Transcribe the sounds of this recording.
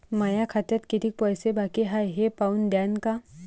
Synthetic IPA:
majakʰat̪ət̪kit̪ʰik̚pɔjsebakiɦajɦepaund̪jaːnka

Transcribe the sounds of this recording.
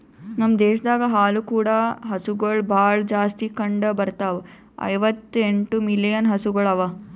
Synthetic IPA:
nɐmːd̪eːʃd̪aːɡɐɦaːlukuːɽaɦɐsuɡɐɭbʱaːɭd͡ʒaːst̪ikɐɳɖɐbɐɾt̪aʋ | ɐ̰jʋɐt̪ːeɳʈumilijɐnɦɐsuɡɐɭɐʋɐ

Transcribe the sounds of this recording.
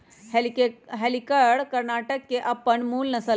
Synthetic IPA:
helkɦɛlikəɽkəɾnaʈəkːeʔapəɳmuːlnəsə

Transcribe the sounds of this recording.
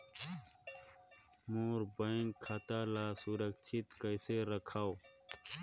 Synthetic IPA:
muːɾbɐiŋɡkʰɐt̪aːlaːsuɾɐkt͡ʃʰit̪kɐjseɾɐkʰaw

